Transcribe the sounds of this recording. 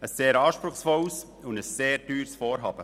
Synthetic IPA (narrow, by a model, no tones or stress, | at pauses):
əsːeːɾɑːʃpɾʊχsfɔws | ʊndəsːeːɾtyːɾsfoːɾɦɑːb̥ə